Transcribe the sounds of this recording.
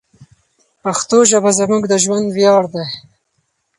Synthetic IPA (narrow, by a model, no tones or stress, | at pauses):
paxt̪oʒabazamuɡd̪əʒwand̪wjɑːɽd̪e